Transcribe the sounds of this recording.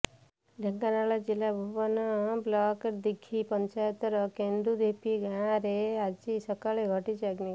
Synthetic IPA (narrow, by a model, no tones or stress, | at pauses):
ɖʱə̃ŋkanaɭad͡ʒilabʱuʋanablakəɾd̪ikʰːipəɲt͡ʃajt̪ɾəkẽnd̪ud̪ʱepiɡãɾeat͡ʃisəkaɭeɡʱɔʈit͡ʃaɡni